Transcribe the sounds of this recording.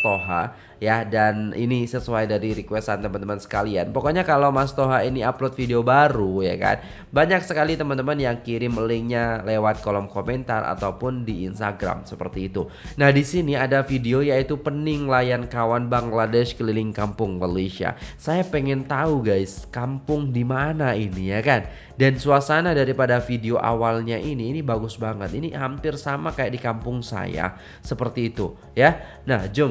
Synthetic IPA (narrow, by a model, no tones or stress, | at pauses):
t̪oɦa̰ | jadanḭnisəsuajdaɾiɾikwɛsant̪əmant̪əmansə̥kalia̰npokoɲakalowmast̪oɦainiaplot̪̚fideobaɾuja̰ka̰n | baɲaksəkalit̪əmant̪əmanjaŋkiɾɪməlɪŋɲalewat̪̚kolɔmkomɛnt̪a̰rʔa̰t̪aupʊndiːnst̪aɡɾa̰msəpərt̪iːt̪u | nahdisiniadafideojait̪upənɪŋlajankawanbaŋladɛʃkəlilɪŋkampʊŋmalesia̰sajapɛŋɛnt̪auɡajskampʊŋdimanainijakan | dansuasanadaɾipadafideoʔa̰walɲaʔiniːnibaɡʊsbaŋət̪inihampɪrsamakajaʔdikampʊŋsa̰ja̰ | səpərt̪iːt̪u | ja | nahd͡ʒʊŋ